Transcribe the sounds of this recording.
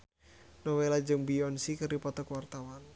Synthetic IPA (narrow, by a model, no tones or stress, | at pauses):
nɔwelad͡ʒɨŋbiɔnsikɨrdipɔt̪ɔkwart̪awan